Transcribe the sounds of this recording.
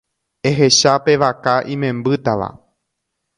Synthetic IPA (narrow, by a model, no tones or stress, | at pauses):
e̞ɦe̞ʃape̞ʋakaʔĩmẽ̞mbɨt̪aʋa̰